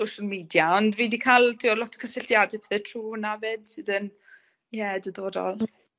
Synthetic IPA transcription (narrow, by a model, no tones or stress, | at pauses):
sowʃalˠmiːdjaɔndviːdikʰalˠtʰiːɔlɔtʰkʰəsɪɬtjadɨpʰɛθɛtʰruːnaveːd̥sɨːðən | jɛdəðoːdɔ̰lˠ